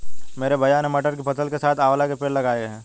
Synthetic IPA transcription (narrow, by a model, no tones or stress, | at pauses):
meːɾebʱɐjaːnemɐʈəɾkipɐt̪əlkesaːt̪ʰaːʋlakepeːɽlɐɡaːeɡɦɛ̃ː